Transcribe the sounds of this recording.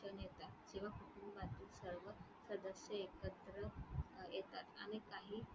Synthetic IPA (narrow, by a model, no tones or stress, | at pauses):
ənjet̪at̪d͡ʑeʋ̤akuʈʰumbat̪iːsəɾʋə | səd̪əsjəekət̪ɾəjet̪at̪a̰ɽ̃ikaɦiː